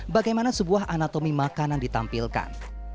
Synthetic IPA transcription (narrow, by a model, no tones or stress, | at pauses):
baɡajmanasəbuaɦʔanat̪omimakanjaŋdit̪ampilka̰n